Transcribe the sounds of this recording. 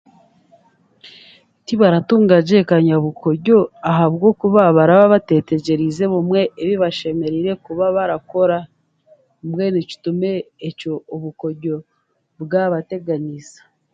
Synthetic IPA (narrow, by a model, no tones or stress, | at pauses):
tiβaɾatuːŋɡaɟe̞kaɲaβuko̞ɾɟo̞aɦaβɡo̞kuβaβaɾaβaβate̞te̞ɟe̞ɾize̞βumwe̞ʔːβiβaʃe̞me̞ɾiɾe̞kuβaβaɾako̞ɾa | umwe̞nici̥tume̞ːco̞ːβukoɾɟo̞ | bɡaβate̞ɡanizḁ